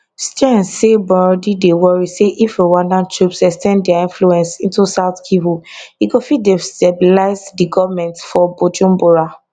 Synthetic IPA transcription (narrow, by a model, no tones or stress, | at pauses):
stãnssebɔdidewɔɹiseʔifewanãntɹupsɛkstɛ̃ndɛaĩnfluɛ̃nsĩntusaʊtkʰivuiɡofidestɛbilaɪsdiɡɔvmɛ̃ntsfɔbod͡ʒũmboɹa